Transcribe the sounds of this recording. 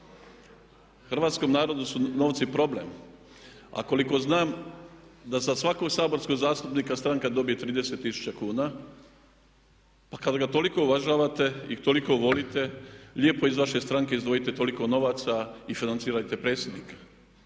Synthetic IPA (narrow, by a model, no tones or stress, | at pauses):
xr̩ʋaːt̪sko̞mnaːɾo̞d̪usuno̞ːʋt̪sipɾo̞ble̞̰m | a̰ko̞liko̞znaːm | d̪asasʋako̞ɡsaːbo̞ɾsko̞ɡzaːst̪upniːkast̪ɾaŋkad̪o̞bijet̪ɾiːd̪ese̞t̪ːisu̥t͡ɕakuːna | pakad̪aɡat̪o̞liko̞uʋaʒaːʋat̪e̞it̪o̞liko̞ʋo̞lit̪e̞lʎʲeːpo̞izʋaʃe̞st̪ɾaŋkeizd̪ʋo̞jit̪e̞t̪o̞liko̞no̞ʋaːt̪saifinansiːɾat̪e̞pɾe̞ːt̪sjed̪niːkḁ